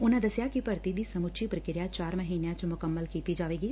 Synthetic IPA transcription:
ʊnãd̪ɐsjakipɐɾt̪id̪isɐmʊt͡ʃʰipɾəkɪɾɪjat͡ʃaːɾməɦiːnjãt͡ʃmʊkəmːəlkiːt̪id͡ʒaːʋeːɡiː

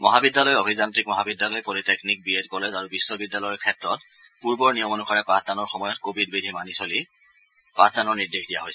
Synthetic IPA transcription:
mɔɦabidːalɔjobʱizantɹikmɔɦabidːalɔjpoliteknik̚bietkɔlɛzaɹubisːɔbidːalɔjɔkʰɛtɹɔt̚ | puɹbɔɹnijɔmɔnuxaɹɛpatdanɔɹxɔmɔjɔtkobʱidbidʱimanisoli | patdanɔɹniɹdexdija̰ɦojsɛ

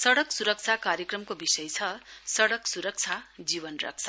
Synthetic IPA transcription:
sʌɽʌksuɾʌk̚t͡sʰakaɾjekrʌmkobisʌjt͡sʰʌsʌɽʌksuɾʌk̚t͡sʰad͡zibʌnrʌ̰k̚t͡sʰa

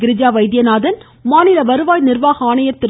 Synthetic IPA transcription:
ɡɪɾɪd͡ʒaːʋɐɪd̪jɐnaːðɐn | maːnɪlɐʋɐɾɯʋaːjnɪrʋaːɣɐaːnɐjɐt̪ːɪɾ

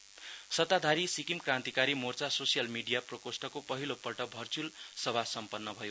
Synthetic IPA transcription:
sʌt̪ad̪ʱaɾisikimkrãnt̪ikaɾimort͡sasosijʌlmiɖijaprʌkosʈʌkopʌɦilopʌʈʌbʱʌrt͡sulsʌbʱasʌmpʌnːʌbʱʌjo

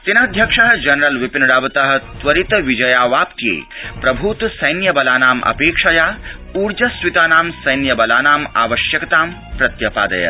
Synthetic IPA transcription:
t̪inɐːd̪ʱjɐkʂɐɦɐ̆d͡ʒɐnɐɾɐlʋipinɐɽaːʋɐt̪ɐɦɐ̆t̪ʋɐɾit̪ʋid͡ʒɐjaːʋaːpt̪jḛːpɾɐbʱut̪sɐjnjɐbɐlaːnaːmʔɐ̰peːkʂɐjaː | uːɾd͡ʒɐsʋit̪aːnaːmsɐjnjɐbɐlaːnaːma̰ːʋɐʃjɐkɐt̪aːm | pɾɐt̪jɐpa̰ːd̪ɐ̰ja̰

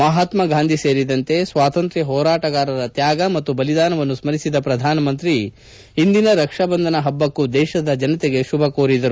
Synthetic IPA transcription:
mɐɦaːt̪mɐɡʱaːnd̪ʱise̞ːɾid̪ɐnt̪e̞sʋaːt̪ɐnt̪ɾiɦɔːɾaːʈɐɡaːɾɐɾɐt̪jaːɡɐmɐt̪ːubɐlid̪aːnɐʋɐnːusmɐɾisid̪ɐpɾɐd̪ʱaːnɐmɐnt̪ɾi | ɦind̪inɐɾɐkʂɐbɐnd̪ʱɐnɐɦɐbːɐkːud̪ɛːʃɐd̪ɐd͡ʒɐnɐt̪ɛɡe̞ʃubʱɐkoːɾid̪ɐɾu

